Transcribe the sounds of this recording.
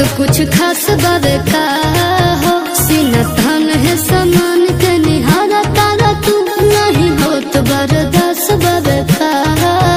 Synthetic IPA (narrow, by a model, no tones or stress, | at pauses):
kʊt͡ʃʰkʰaːsbaːʋeːt̪a | ɦo | sinat̪ɐnɦesamaːnt̪eːniɦaːɾaːt̪aːɾat̪unaɦĩɦot̪əbɐɾəd̪aːsbaʋeːt̪a